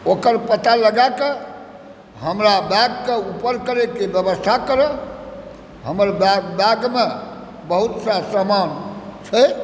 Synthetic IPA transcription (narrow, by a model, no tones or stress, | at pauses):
okəɾpət̪aləɡake | ɦəmɾabaɡkeupəɾkəɾekebjəbəst̪ʰakəɾə | ɦəməɾbabaɡme | bəɦut̪sasamant͡ʃʰə